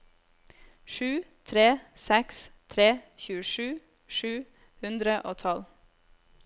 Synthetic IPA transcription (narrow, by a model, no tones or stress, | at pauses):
ʃʉːt̪ʰɾeːsɛkst̪ʰɾeːçʉːəʃʉː | ʃʉː | hʉnd̪ɾəʔoːt̪ʰɑl